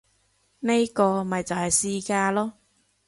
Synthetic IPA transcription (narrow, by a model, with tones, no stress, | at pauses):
ne˥jkɔː˧mɐ˨jt͡sɐ˨whɐ˨jsiː˧˥kaː˧lɔː˥